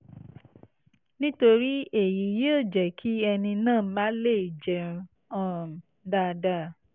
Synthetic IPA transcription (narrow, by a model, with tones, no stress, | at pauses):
nĩ˦to˧ɾi˦e˨ji˨˦je˦o˦˨d͡ʒɛ˨kʰi˨˦ɛ˧nĩ˧nãː˦˨˦mã˦le˦˨i˨d͡ʒɛ̃˨˧ | ɔ̃˦˨ | da˦˧da˦